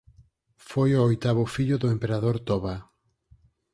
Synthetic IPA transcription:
fojoojt̪aβʊfiʎʊðʊempeɾaðoɾt̪ɔβa

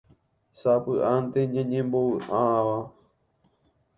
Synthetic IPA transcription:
sapɨʔant̪eɲãɲẽmboʋɨʔaʋa

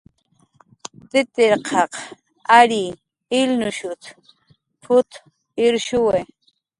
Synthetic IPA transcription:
t̪ɪt̪ɪɾqʰɑq | aɾiː | lnʊʃʊt̪ | pʰʊt̪ | ɪɾʃʊwe

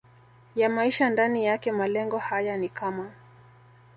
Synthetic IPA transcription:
jamaiʃandanijakɛmalɛŋɡɔhajanikama

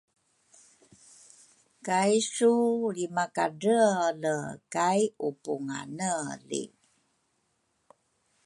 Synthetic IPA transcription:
kajsulimakaɖələkajupuŋa̰nəlḭ

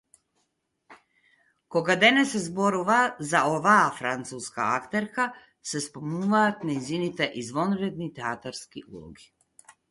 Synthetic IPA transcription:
koɡad̪ɛnɛsɛzboɾuvazaovaːfɾant̪suska̰akt̪ɛɾka | sɛspomuvaːt̪nɛjzinit̪ɛʔizvonɾɛd̪nit̪ɛat̪aɾskiʔṵlˠɔ̰ɡi

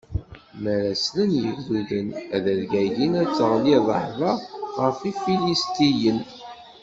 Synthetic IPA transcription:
məɾæslənjəɡuðənæðəɾɡæʝinæt͡sːəʁliðˤəħðˤɑʁəfifilist̪ijən

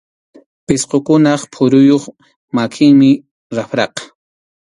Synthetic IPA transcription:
pɪsqokʊnɑχpʰʊɾʊjoχ | makʰɪŋmɪ | ɾafɾɑqɑ̥

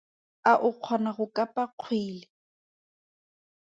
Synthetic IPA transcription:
aʔʊq͡χʰɔnaɣʊkʼapʼaq͡χʰwiːlɪ

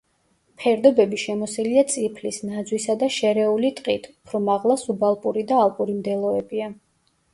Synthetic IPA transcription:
pʰɛɾd̪ɔbɛbiʃɛmɔsiliat̪sʼipʰlisnad̪zwisad̪aʃɛɾɛulit̪ʼqʼit̪ʰupʰɾɔmaʁlˠasubalˠpʼuɾid̪aːlˠpʼuɾimd̪ɛlˠɔɛbia

